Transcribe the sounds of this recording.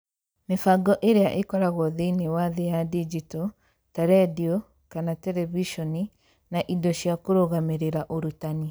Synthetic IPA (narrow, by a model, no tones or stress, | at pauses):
mefaɡɔʔeɾeaʔekɔɾaɣɔðeinewaðejadid͡ʒitɔ | tɛɾɛdiɔ | kanatɛɾɛviʃɔni | naʔidɔɕjakoɾoɣameɾeɾaʔoɾutani